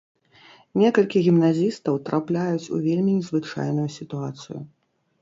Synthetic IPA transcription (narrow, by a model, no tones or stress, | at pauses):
nʲɛkɐlʲkʲiɣʲimnazʲist̪ɐwt̪ɾʔaplʲajut͡sʲṵvʲelʲmʲinʲɛzvɨt͡ʂa̰jnujusʲit̪uat̪sɨ̰ju